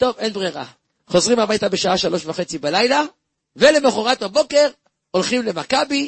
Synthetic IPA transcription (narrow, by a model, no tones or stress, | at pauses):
t̪o̞ve̞nbʁeʁa̰ | χo̞zʁimamajt̪abeʃaaʃalo̞ʃvaχet͡sibalajla | vele̞meχoʁat̪habo̞ke̞ʁ | olχimle̞makabi